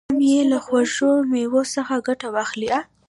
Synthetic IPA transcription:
mjelaxwaʒomewosəxaɡaʈawaxlia

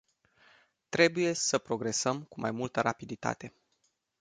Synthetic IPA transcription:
t̪ɾe̞buje̞səpɾo̞ɡɾe̞səmkumajmult̪əɾapid̪it̪a̰t̪e̞

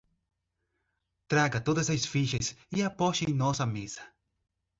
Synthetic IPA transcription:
t̪ɾaɡɐt̪od̪ɐzɐsfiʃɐsɪapɔʃẽj̃nɔsɐmezɐ̥

